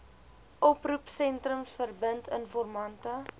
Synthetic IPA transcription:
ʔɔprupsɛntrəmsfərbəntʰənfɔrmɐntə

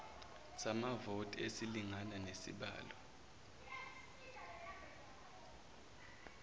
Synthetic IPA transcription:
samavotʼesiliŋananesḭɓa̰ːlɔ

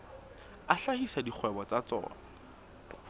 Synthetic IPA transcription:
aɬahisadik͡xʰwɛbɔt͡sat͡sɔ̰ːna

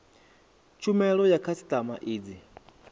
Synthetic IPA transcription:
t͡ʃʰumɛɺɔjakʰasi̥tʼama̰ʔiːd͡zi

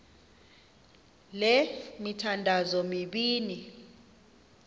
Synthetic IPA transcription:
lemitʰandʱazɔmiɓiːni

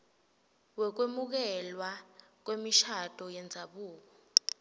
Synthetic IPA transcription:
wɛk̬wemuk̬ɛlwa | k̬wemiʃad̥ʱʼɔjɛnd͡zʱaɓuːk̬ɔ

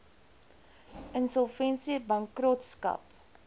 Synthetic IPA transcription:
ənsɔlˠfɛnsibɐŋkrɔtskɐ̰p

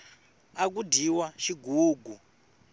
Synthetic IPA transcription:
ak̬udʱiwaʃiɡuːɡʱu

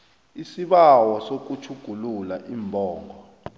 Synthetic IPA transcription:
isiɓawɔsok̬ut͡ʃʰuɡ̥ʱululaʔimbʱɔːŋʱɔ

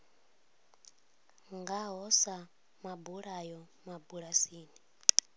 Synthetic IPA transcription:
ŋɡaɦɔsa | mabuɺajɔ | mabuɺasiːni

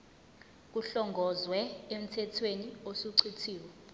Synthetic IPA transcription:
k̬uɬɔŋɡʱɔzwɛem̩tʰɛtʰweniosuǀʰitʰiːwɔ

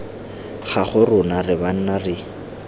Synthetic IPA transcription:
χaχʊrʊnarɪban̩narɪ

